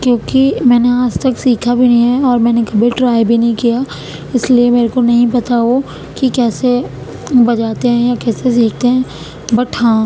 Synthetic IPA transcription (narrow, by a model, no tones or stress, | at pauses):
kjõːkimɛ̃ːneaːd͡ʒt̪ɐksiːkʰabʱinɐɦĩɦɛɔːɾmɛ̃ːnekɐbʱiʈɾaːjbʱinɐɦĩkija | ɪsliemeːɾekonɐɦĩpɐt̪aɦo | kikɛːse | bɐd͡ʒaːt̪eɦɛ̃jakɛːses̬iːk̚ʰt̪eɦɛ̃ː | bɐʈʰãː